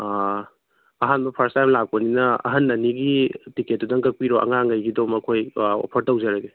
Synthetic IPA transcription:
ɐɦanbɐpʰɐɾstajmlak̚pɐninɐɐ̰ɦɐnːɐniɡitiket̚ːudɐŋkɐk̚piɾoʔɐ̰ŋaŋɐjɡidomɐkʰojo̰pʰɐɾtɐwzɐɾɐɡe

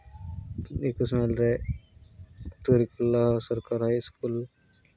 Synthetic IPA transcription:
ekəsmalɾe | t̪uɾikulːaɦsɐɾkaɾɦajskul

